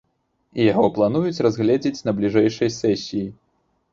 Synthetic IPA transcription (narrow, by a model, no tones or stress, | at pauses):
ijaɣɔplˠan̪ujut͡sʲrazɣlʲɛd͡zʲet͡sʲnɐblʲiʐɛjʂɐjsɛsʲiji